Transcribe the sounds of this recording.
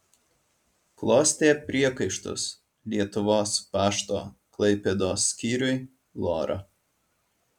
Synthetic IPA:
klˠoːsʲt̪ʲeːpʲɾʲiɛkɐɪʃt̪ʊ̰s | lʲiɛt̪ʊʋoːspɑːʃt̪o̰ːklˠɐɪpʲɛd̪oːsʲkʲiːɾʲʊɪ | lˠo̰ːɾʔɐ̰

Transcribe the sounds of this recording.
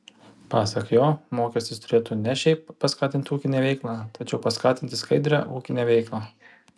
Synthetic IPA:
pɑːsɐkjoːmoːkʲɛsʲt̪ʲɪst̪ʊɾʲeːt̪uːnʲɛʃʲɛɪppɐskɑːt̪ʲɪnʲt̪ʲuːkʲɪnʲeːʋʲɛɪklˠɑːt̪ʰɐt͡ʃʲɛʊpɐskɑːt̪ʲɪnʲt̪ʲɪskɐɪd̪ʲɾʲɛ̰ʔuːkʲɪnʲeːʋʲɛɪklˠɑ

